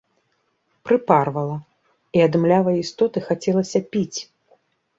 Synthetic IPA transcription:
pɾɨparvɐlˠɐ | iɐd̪ɨmlʲavɐjist̪ɔt̪ɨxat͡sʲɛlˠɐsʲɐpʲit͡sʲ

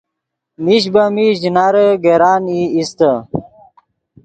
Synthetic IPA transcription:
miɕbɐmiʑinaɾəɡeɾaːniist̪ə

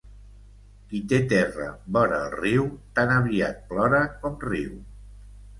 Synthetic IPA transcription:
kit̪et̪ɛrəbɔɾəːlˠriwt̪anəβia̰t̪̚plɔɾəkɔmriw

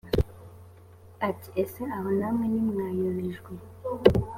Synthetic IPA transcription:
ati̥ʔeseaɦonamwenimŋaːjuβiʒɡwe

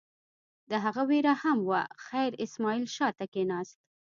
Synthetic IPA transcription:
d̪əɦaɣaweɾahamwaxajɾɪsmɑilʃɑt̪akenɑst̪

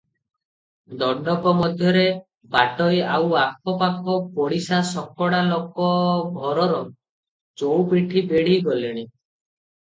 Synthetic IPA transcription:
d̪ɔɖɔpɔmɔd̪ʱjɔɾe | baʈɔjawakʰɔpakʰɔpoɽisasɔkɔɽalokɔbʱɔɾɔɾɔ | t͡ʃowpiʈʰibeɽ̤iɡɔliɽ̃i

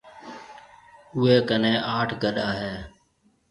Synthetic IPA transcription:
ʊeːkənẽːʔaːʈʰɡəɗaːɦeː

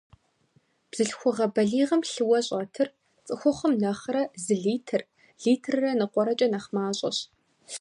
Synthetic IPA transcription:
b̥z̥ɨɬxʷʊʁɐbɐɮiːʁɐmɬɨwɐɕʼɐtʰɨr | t͡sʼɨxʷʊχəmnɐχɾɐzɨɮiːtʰɨr | ɮiːtʰrɨrɐnɨqʷɔɾɐt͡ʃʼɐnɐχmaːɕʼɐ̰ɕ

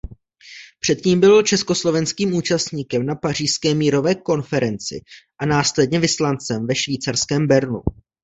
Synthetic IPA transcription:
pr̝̥ɛt̪ciːmbɪlt͡ʃɛsko̞slo̞vɛnskiːmuːt͡ʃast̪ɲiːkɛmnapar̝iːʃskɛːmiːɾo̞vɛːko̞nfɛɾɛnt͡sɪ̰ʔanaːslɛd̚ɲɛvɪslant͡sɛmvɛʃviːt͡sarskɛːmbɛɾnu

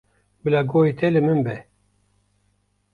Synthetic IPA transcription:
bɨlaɡoːit̪ʰɛlɨmɨnbɛ

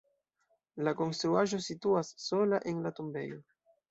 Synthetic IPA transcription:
lako̞nst̪ɾuaʒo̞situasːo̞laʔe̞nlatumbe̞̰jo̞

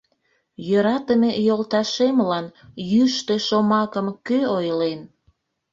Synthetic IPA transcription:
jøɾɑt̪əmejolt̪ɑʃemlɑnjyʃt̪eʃomɑkəmkøojlen

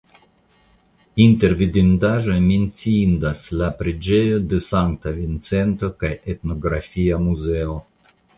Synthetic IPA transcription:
inte̞ɾvidindaʒo̞jment͡siindaslapɾed͡ʒe̞jo̞de̞saŋkt̪avint͡se̞nt̪o̞kajetno̞ɡɾa̰fiamuze̞o̞

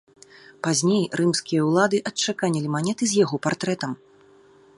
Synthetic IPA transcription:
pazʲnʲejrʔɨmsʲkʲijɐwlˠad̪ɨʔɐtt͡ʂakanʲɛlʲimanʲɛt̪ɨzʲjaɣɔpart̪ɾɛt̪ɐm

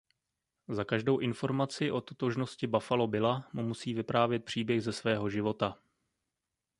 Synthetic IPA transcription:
zakaʒdo̞wʔɪnfo̞ɾmat͡sɪʔo̞t̪ot̪o̞ʒno̞scɪbafalo̞bɪlamumusiːvɪpɾaːvjɛt̪̚pr̝̥iːbjɛxzɛsvɛːɦo̞ʒɪvo̞t̪a

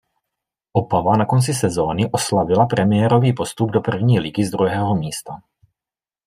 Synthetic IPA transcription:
ʔopavanakont͡sisɛzoːniʔoslavilapɾʔɛmɪjɛɾoviːpost̪ub̚dopr̩vɲiːliɡizd̪ɾuɦɛːɦomiːst̪a

